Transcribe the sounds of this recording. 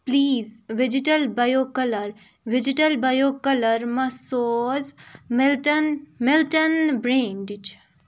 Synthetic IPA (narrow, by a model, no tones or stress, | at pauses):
pliːzʋid͡ʒiʈəlbɐjokɐləɾ | ʋɪd͡ʒiʈəlbɐjokɐləɾmɐsoːzmɛlʈənmelʈənbɾeːnɖit͡ʃ